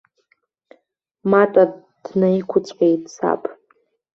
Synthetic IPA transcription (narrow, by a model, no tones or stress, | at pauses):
matʼa | d̥naikʷʰʊt͡sʷʼħejtʼsa̰pʼ